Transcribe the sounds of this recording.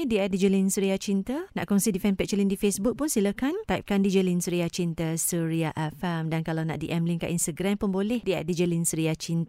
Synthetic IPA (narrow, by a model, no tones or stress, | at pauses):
diadid͡ʒəlinsəɾiat͡ʃint̪əna̰ʔkɔŋsidifɛnpɛʔ̚t͡ʃəlindifesbuk̚pʊnsiləkant̪ajp̚kandid͡ʒəlinsəɾiat͡ʃint̪əsəɾiaʔafɛmdankalawna̰ʔdiʔɛmliŋka̰ʔinst̪əɡɾampənbolɛhdia̰ʔdid͡ʒəlinsəɾiat͡ʃint̪ə